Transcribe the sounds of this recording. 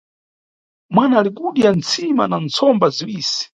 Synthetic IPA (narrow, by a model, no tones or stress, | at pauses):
mwanaːlikuɗiant͡sʰima̰nant͡sʰɔmbaziwiːsi̥